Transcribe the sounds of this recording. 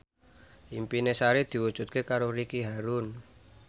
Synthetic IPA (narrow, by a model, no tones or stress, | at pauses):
ʔimpinesaɾed̪̥i̤wud̥ʒ̥ṳt̪̚kekaɾoɾikiɦaɾun